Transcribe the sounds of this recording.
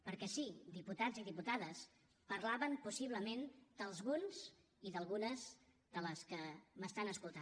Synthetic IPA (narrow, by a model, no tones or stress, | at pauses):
pəɾkɛsid̪iput̪ad͡ziðiput̪að̞əs | pəɾlaβəmpusiβ̞ləmend̪̥əlˠzɣunz̥ | iðəlˠɣunəz | d̪ələskəməst̪anəskulˠt̪a